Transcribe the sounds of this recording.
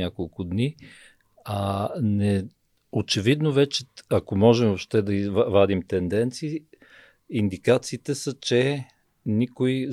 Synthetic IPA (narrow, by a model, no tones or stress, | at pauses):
akolˠkʊd̪ni | anɛ | ot͡ʃɛvid̪novɛt͡ʃɛakomɔʒɛmvopʃt̪ɛd̪ɐivvad̪imt̪ɛnd̪ɛnt̪siː | ind̪ikat̪siːt̪ɛsət͡ʃɛ | nikoi